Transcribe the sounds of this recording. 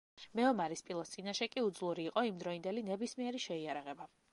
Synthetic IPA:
mɛɔmaɾispʼilˠɔt̪ʰt̪sʼinaʃɛkʼiud̪zlˠuɾiːqʼɔimd̪ɾɔind̪ɛlinɛbismiɛɾiʃɛiaɾaʁɛba

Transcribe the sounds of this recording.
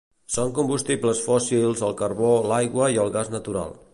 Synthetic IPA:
soŋkumbust̪ipləsfɔsilˠzəlˠkəɾβolajɣwəiəlˠɣaznət̪uɾa̰lˠ

